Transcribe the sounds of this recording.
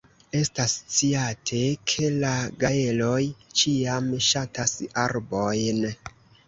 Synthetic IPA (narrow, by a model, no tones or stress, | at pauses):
e̞stast͡siatʰe̞kʰe̞laɡaelo̞jt͡ʃiamʃatʰasaɾbo̞jn